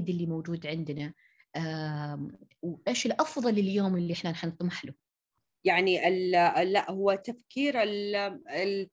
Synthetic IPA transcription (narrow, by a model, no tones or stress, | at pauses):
d̪ɪlːimowd͡ʒuːd̪ʕɪnd̪na | wʔeːʃɪlʔɑfðˤɑlɪljoːmɪlːiʔɪħnanħant̪ˤmaħlu | jaʕniʔɪllːaʔhʊwːat̪afkʰiːɾɪlɪl